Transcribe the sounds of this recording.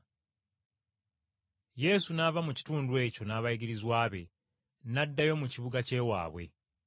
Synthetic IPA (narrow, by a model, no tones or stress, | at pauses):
je̞sunavamuci̥tuːndwe̞ːco̞naːβajiɡiɾizwaːβe̞ | nadːajo̞muciβuɡace̞ːwa̰ːβwe̞̰